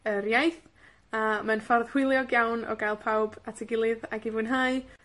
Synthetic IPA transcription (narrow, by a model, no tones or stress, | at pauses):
əɾjajθ | amanfɔrð̥hɪlˠjɔɡjawnɔ̰ɡajlˠpʰawbatʰɛɡɪlˠɨðaɡɪvʊnɦaɨ